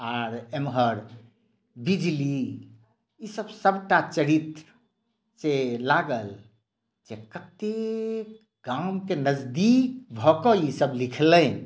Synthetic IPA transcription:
aɾemɦəɾ | bid͡ʒli | isəbsəbʈat͡ʃəɾit̪ɾ | t͡ʃelaɡəl | d͡ʒekət̪ek | ɡamkenəd͡ʒd̪ik̚bʱɔkɔisəblikʰlə̃

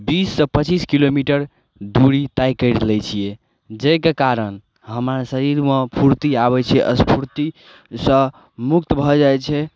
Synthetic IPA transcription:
bisːə̃pət͡ʃiskilomiʈəɾ | d̪uɾit̪ajkəɾlɛt͡ʃʰije | d͡ʒekekaɾən | ɦəmɾasəɾiɾmepʰuɾt̪iaβɛt͡ʃʰɛʔə̰spʰuɾt̪i | sə̃ | mukt̪bʱɔd͡ʒajt͡ʃʰɛ

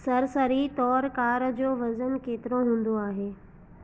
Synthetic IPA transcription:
sɐɾsəɾit̪ɔːɾkaːɾd͡ʑoːʋɐzənkeːt̪ɪɾoɦũːnd̪oaːɦeː

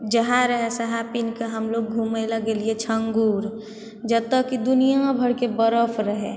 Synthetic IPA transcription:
d͡ʒəɦaɾəɦesəɦapinkeɦəmloɡ̚ɡʱumelaɡeliet͡ʃʰəŋɡuːɾ | d͡ʒəb̚t̪ːəkːid̪unijabʱəɽkebəɾəpʰɾəɦḛ

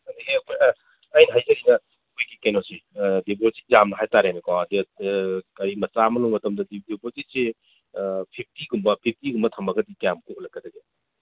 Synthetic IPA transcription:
ɐndiepʰː | jnɐɦajzɐɾinɐ | kʰojɡikenosidiboti̥zamnɐɦajtaɾenɐkawɐdi | kɐɾimɐsamɐlumɐtɐmdɐdidibotise | pʰip̚ʰtiɡumbɐpʰip̚ʰtiɡumbɐtʰɐmɐɡɐdikjamkolɐkːɐdɐɡe

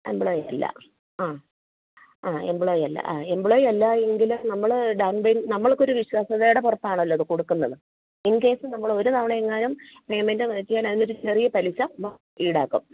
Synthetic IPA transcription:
ḛmbɨɭoːjɐlːɐ̰ | aː | aːembiɭoːjɐlːɐ̰ʔaːembiɭoːjɐlːaeŋɡilumnɐmːɐɭɖɐwnbejnnɐmːɐɭkːo̞ɾuʋiɕwaːsɐðejuɽepurɐpːaːɳɐlːoɐðɨkuɽukːunːɐðɨ | inːke̞ːsɨnɐmːɐɭo̞ɾunɐmɳeeŋːaːnumpe̞ːmendɨʋɐitːikːaːnɐinːoɾut͡ɕerijɐpɐliɕɐm | iːɽaːkːum

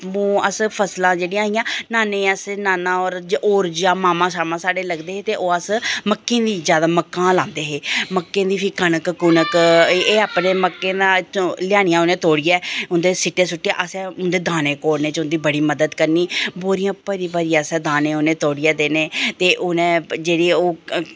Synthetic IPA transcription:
ũːəspʰəslãːd͡ʒeːɽiãːɪjãːnaːneːəsnaːnãːɔːɾd͡ʒʔoːɾd͡ʒaːmaːmãːsaːmãːsaːɖeːləɡd̪eːeːt̪eːʔoːəsməkːẽːd̪iːzjaːd̪aːməkːãːlãːnd̪eːɦeːməkːẽːd̪iːpʰiːkənəkkʊnəkeːaːpneːməkːẽːd̪ãːt͡ʃlɪjaːɽ̃ɪjãːʊnẽːt̪oːɽɪjɛːʊnd̪eːsɪʈːeːsʊʈːa̰ːʔəsɛʊnd̪eːd̪aːneːkoːɽneːt͡ʃʊnd̪iːbəɽiːməd̪əd̪kəɾniːboːɾɪjãːpəɾiːbaːɾijãːsɛ̃ːd̪aːnẽːʊnẽːt̪oːɽijaːd̪eːneːt̪eːʔʊnẽːd͡ʒeːɽiːoː

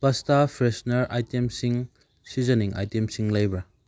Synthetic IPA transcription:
pɐstapʰɾesnɐɾʔa̰jtemsiŋ | sizɐniŋa̰jtemsiŋlajbɐ

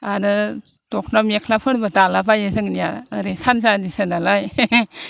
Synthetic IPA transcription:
aɾɯ | tɔk̚ʰnamekʰlapʰɯɽbɯtalabajɯzɯŋnija̰ɯɾesanzadisɯnalaj

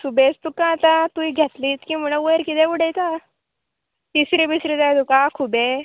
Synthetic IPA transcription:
subet͡st̪ukãːt̪ãt̪uiɡʱat̪liːt͡skĩːm̤əɭ̃ə̃ʋəɾkit̪ɛ̃ʋuɽejt͡sa | t̪isɾĩbisɾid͡zajt̪ukakʰube

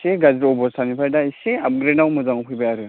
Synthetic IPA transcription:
seɡazɾɔbɔɾsanipʰajdaiseab̚ɡɾenawmɯzaŋɔpʰɯjbajaɾɯ

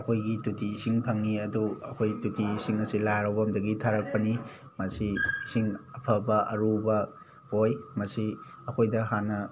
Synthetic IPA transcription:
ɐkʰojɡitutʰiːsiŋpʰɐŋːiɐduɐkʰojtutʰiːsiŋɐsilaɾawbɐmdɐɡitʰaɾɐk̚pɐni | mɐsisiŋɐpʰɐbɐʔɐɾubɐ | hojmɐsi | ɐkʰojdɐɦanːɐ

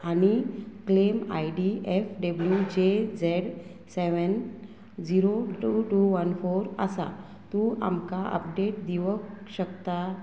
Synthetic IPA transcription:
aɽ̃iklema̰jɖiʔefɖəbljud͡ʑed͡zeɽ | seʋən | d͡ʑiɾoʈuʈuʋənfoɾəsa̰ | t̪ũa̰mkaʔə̰pɖeʈ̚d̪iʋəkɕəkt̪a

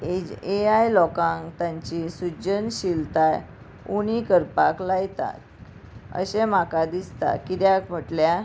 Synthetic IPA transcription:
eeajlɔkãŋt̪ãɲt͡ɕisud͡ʑənɕilt̪aj | uñikəɾpaklajt̪a̰ | ə̰ɕem̤akad̪ist̪a̰kit̪jakm̤əʈlja

